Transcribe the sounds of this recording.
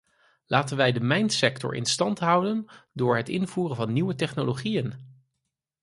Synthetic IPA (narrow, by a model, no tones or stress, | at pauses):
laːtənʋɛjdəmɛjntsɛktɔ̰ɹʔɪ̰nstɑntɦʌwdəndʊːɹɦətɪnvuːrənvɑnːiwətɛχnoloχijən